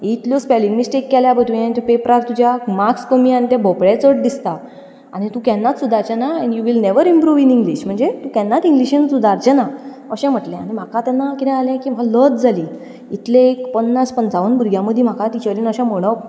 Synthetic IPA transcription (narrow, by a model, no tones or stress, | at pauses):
it̪ljospɛlĩŋɡmisʈekːɛljabəʈ̪ʋĩant̪ɔpepɾaɾt̪ud͡ʑjamakskəmiañit̪jabʱɔpɭet͡səʈ̚d̪ist̪a | añit̪ũkɛ̃nːat̪sud̪ʱaɾt͡ɕanaɛ̃ɳjuʋilneʋəɾĩmpɾuʋinĩŋɡliɕm̤əɳd͡zet̪ũkɛ̃nːat̪ĩŋɡliɕinsud̪ʱaɾt͡ɕana | əɕɛ̃m̤əʈlɛ̃añim̤akat̪ɛnːakit̪ɛ̃alɛ̃kim̤alət̪d͡zʱali | it̪lẽekpənːaspənt͡saʋənbʱuɾɡʱjãməd̪ʱːim̤akat̪it͡ɕəɾiːnəɕãməɽ̃ək̚